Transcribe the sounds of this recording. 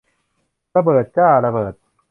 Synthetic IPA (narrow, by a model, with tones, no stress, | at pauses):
a˧bɤː˨˩t̪̚t͡ɕaː˥˩la˧bɤː˨˩t̪̚